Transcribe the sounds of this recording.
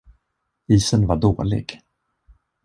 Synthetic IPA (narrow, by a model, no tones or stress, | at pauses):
iːsənvaɖoːlɪ̰ɡ̥